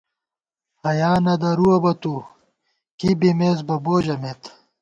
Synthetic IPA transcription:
hɐjaːnɐd̪ɐɾuɐbɐt̪u | kibimeːz̬bɐboːd͡ʑɐmet̪

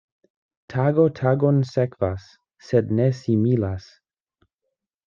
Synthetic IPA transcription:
tʰaɡotʰaɡonsekv̥asː | ednesimilas

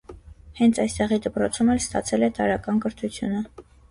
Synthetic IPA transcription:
hɛnt͡sʰɑjst̪ɛʁid̪əpɾɔt͡sʰumɛlst̪ɑ̰t͡sʰɛlɛt̪ɑɾɑkɑnkəɾt̪ʰut͡sʰjunə

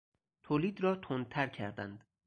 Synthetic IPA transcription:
t̪ʰoːliːd̪rɒːt̪ʰon̚t̪ʰæɾcʰæɾd̪æ̰nd̪̥

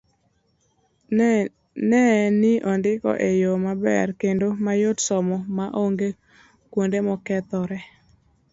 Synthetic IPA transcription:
nɛnɪʔɔndɪkɔ̰ʔejomabɛ̰rkendomajotsɔmɔmaʔoŋɡe | kwondemɔkɛt̪ɔɾɛ

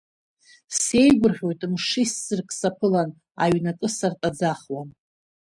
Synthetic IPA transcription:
se̞jɡʷʊrχʲo̞jtʼmʂisːɨrkʼʰsapʰɨlan | a̰ɥnakʼɨsartʼad͡zaχwan

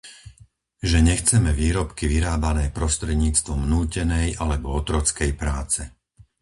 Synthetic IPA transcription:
ʒɛɲɛxt͡sɛmɛʋiːɾɔpkiʋiɾaːbanɛːpɾɔst̪ɾɛd̪ɲiːt͡st̪ʋɔmnuːcɛnɛjʔalɛbɔɔt̪ɾɔt͡skɛjpɾaːt͡sɛ

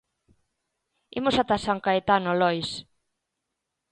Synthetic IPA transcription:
ḭmosat̪asaŋkaet̪anolɔjs

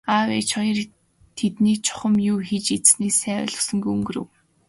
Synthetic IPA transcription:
awḛt͡ɕχɔjɞ̆r | t̪ʰet̪niːk̚t͡ɕʰʊ̥χə̆mjuːxit͡ɕit͡sniːsæːw̰ɮʊ̥̆sɞ̆ŋɡuɵŋɡɵ̆rɘ̰̆w

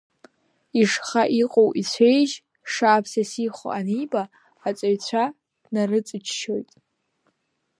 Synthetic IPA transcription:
iʂχaʔiqʼowʔit͡sʷʰejʒ | ʂaːpʰsasiχʷo̰anibaː | t͡sʷʼaɥt͡sʷʰa | dnarɨt͡sʼɨt͡ʃʰʃo̞jtʼ

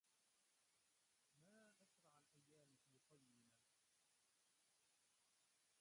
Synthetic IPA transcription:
maːʔaʃɾˤɑʕalʔajːaːmfiːq̪ɑjɪnaː

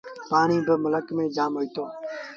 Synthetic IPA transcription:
paːɳiːbəmʊləkmẽːd͡ʒaːmɦoːiːt̪oː

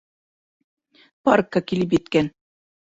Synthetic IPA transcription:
pɑrkːakilɘp̬jɘt̪kæn

